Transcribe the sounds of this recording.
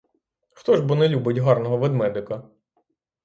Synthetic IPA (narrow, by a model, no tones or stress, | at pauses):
xt̪ɔʒbunɛlʲubɪtʲɦɑrnɔɦɔʋed̪mɛd̪ɪkɐ